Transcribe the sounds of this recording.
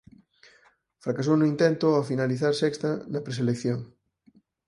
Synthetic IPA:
fɾakas̬ownʊint̪ɛnt̪ʊafinaliθaɾsɛkst̪ɐnɐpɾes̬elekθjoŋ

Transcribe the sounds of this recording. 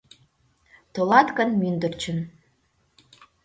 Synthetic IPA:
t̪olɑt̪kənmynd̪ə̆rt͡ɕə̆n

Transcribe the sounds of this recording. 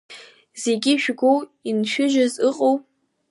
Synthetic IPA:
z̥e̞ɡʲiʃᶣɡʷowinʃᶣʊʒᶣazɨqʼowpʼ

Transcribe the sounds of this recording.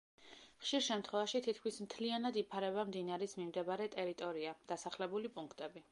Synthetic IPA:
χʃiɾʃɛmt̪ʰχwɛvaʃit̪ʰit̪̚ʰkʰmismt̪ʰlianad̪ipʰaɾɛβamd̪inaɾismimd̪ɛbaɾɛt̪ʼɛɾit̪ʼɔɾiad̪̥asaχlɛbulipʼuŋkʰt̪ʼɛbi

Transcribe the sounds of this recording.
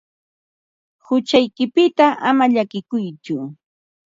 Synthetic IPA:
hʊt͡ʃajkɪpɪt̪aʔamaʎakɪkʊjt͡ʃʊ

